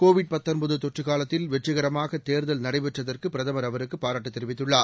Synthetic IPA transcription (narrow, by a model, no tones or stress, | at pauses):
koːʋɪɽ̚pɐt̪ːɐnbɐðɯt̪ɔʈrɯɣaːlɐt̪ːɪlʋɛʈrɯɣɐɾɐmaːɣɐt̪ːeːɾðɐlnɐɽɐɪʋɛʈrɐðɐrkɯpɪɾɐðɐmɐɾɐʋɐɾɯkːɯpaːɾaːʈːɯt̪ːɛɾɯʋɪt̪ːɯɭːaː